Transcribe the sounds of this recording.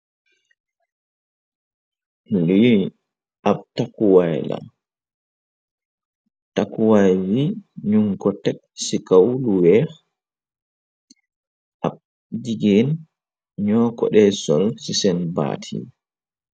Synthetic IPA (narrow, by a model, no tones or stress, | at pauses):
li | ʔaptakuwajla̰ | takuwajwiɲuŋkɔtːɛt̚ | sikawluwɛɾ | ʔab̚ | d͡ʒiɡɛn | ɲɔːkɔ̰ɗɛsɔlsisɛnba̰ːtʰḭ